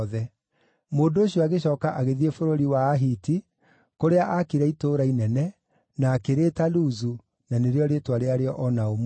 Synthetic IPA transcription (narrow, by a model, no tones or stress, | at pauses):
ðɛ | moːndoːɕiɔaɣeɕɔːkaʔaɣeðiefoɾoɾiwaːɦiti | koɾeaʔakiɾɛitoːɾainɛnɛ | naːkeɾeːtaluzu | naneɾeɔɾetwaɾeaɾeɔʔɔnaom